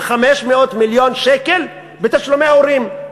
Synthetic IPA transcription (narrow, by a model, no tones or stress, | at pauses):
χameʃmeo̞t̪miljo̞nʃekel | bet̪aʃlomeaoʁim